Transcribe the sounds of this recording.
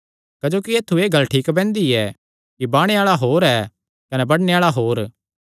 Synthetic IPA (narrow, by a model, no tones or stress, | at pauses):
kɐd͡ʒoːkieːt̪ʰːueːɡɐlːʈʰiːkbɛ̃ːnd̪iɛ | kibaːɽ̃eaːɭaɦoːɾɛ | kɐnɛbɐɽneaːɭaɦoːɾ